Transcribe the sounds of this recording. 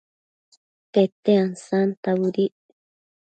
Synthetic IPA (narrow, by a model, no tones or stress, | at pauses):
t̪et̪eansant̪awuɾi